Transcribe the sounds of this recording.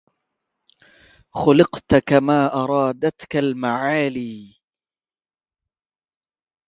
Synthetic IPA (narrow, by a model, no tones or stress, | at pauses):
xʊlɪqt̪kamaːʔɑɾˤɑːd̪at̪kalmaʕaːliː